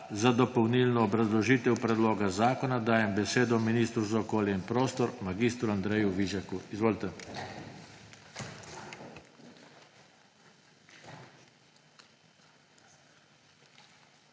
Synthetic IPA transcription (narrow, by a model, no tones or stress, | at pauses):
zad̪ɔpɔwnilnɔːbɾazlɔʒiːt̪ɛwpɾɛd̪loːɡazaːkɔnad̪aːjɛmbɛseːd̪ɔminiːst̪ɾuzaɔkoːljɛinpɾoːst̪ɔɾmaɡist̪ɾuand̪ɾɛjuʋiʒakuizʋoːlt̪ɛ